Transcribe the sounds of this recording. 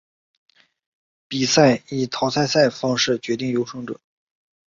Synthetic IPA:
pi˨˩sa˥˩ɪi˨˩t̪ʰɑ˧˥ʊsʰa˥˧ɪsa˥˩ɪfɑ˥ŋʂɻ̩˥˩t͡ɕɥɛ˧˥t̪i˥˩ŋjo˧˥ʊʂɤ˥ŋʈ͡ʂɤ̰˨˩˦

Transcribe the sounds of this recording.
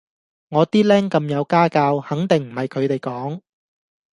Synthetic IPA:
ŋɔː˨˧t̪iː˥lɛː˥ŋkɐ˧mjɐ˨˧wkaː˥kaː˧whɐ˨˥ŋt̪ɪ˨ŋm̩˨˩hɐ˨jkʰɵ˨˧ɥt̪e˨jkɔː˨˥ŋ

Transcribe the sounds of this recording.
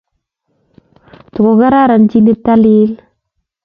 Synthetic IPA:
tu˨ko˨ɡa˦ɾa˦˨ɾa˨nd͡ʒi˦ni˦ta˦li˦l

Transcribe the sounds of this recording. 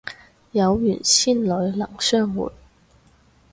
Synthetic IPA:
jɐ˨˧wjy̰ː˨˩nsiː˥˩nlɵ˨˧˥ɥlɐ˨˩ŋsœː˥ŋwṵː˨˩t̚

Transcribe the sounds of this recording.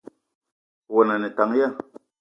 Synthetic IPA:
wo˨na˨nɛ˨ta˨ŋ˦ja˦˨

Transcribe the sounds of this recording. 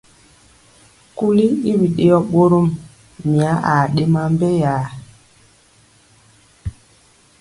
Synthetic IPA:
ku˦li˦i˦wi˨ɗe˦jɔ˦ɓo˦ɾo˦m | mi˨a˦ʔa˨ɗe˦ma˦m˦be˦jaː˨˦

